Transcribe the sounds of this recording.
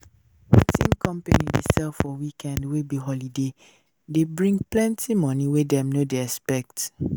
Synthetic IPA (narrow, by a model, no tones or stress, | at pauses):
wḭtʰḭ̃nkʰɔ̃mpa̰nḭdesɛlfɔwikʰɛ̃ndwebiɦɔlide | debɹĩŋɡ̚plɛ̃ntʰimɔ̃niwedɛ̃mnodeɛspɛk̚t